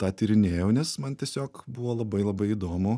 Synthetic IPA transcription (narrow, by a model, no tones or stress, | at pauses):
t̪ɑːt̪ʲiɾʲɪnʲeːjoʊnʲɛsmɐnt̪ʲiɛsʲoːkbuʋoːlˠɐbɐɪlˠɐbɐɪid̪oːmʊ